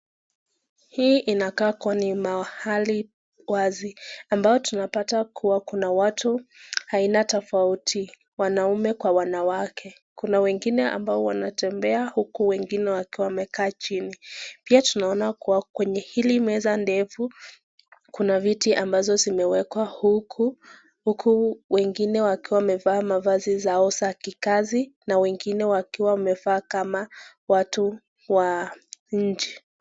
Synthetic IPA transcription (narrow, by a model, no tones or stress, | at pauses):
hiːʔinakaːkwanimahali | waziambajɔtunapatakʰuwakunawatuhainatɔfautʰi | wanaumɛkwawanawakʰɛ | kunawɛŋɡinɛa̰mbaɔwanatɛmbɛahukuwɛŋɡinɛwakiwamɛkʰaːt͡ʃinipiatunaɔnakuwakwɛɲɛhilimɛzandɛfu | kunavitiʔambazɔzimɛwɛkwahuku | hukʰuwɛŋɡinɛwakiwamɛvaːmavazizaɔsakikazinawɛŋɡinɛwakiwawamɛvaːkama | watu | waɲ̩d͡ʒɛ